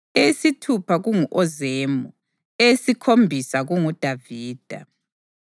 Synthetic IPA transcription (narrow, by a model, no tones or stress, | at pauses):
esitʰupʰaɣuŋuʔɔzeːmu | esikʰombʱisaɣuŋud̥ʱaviːd̥ʱa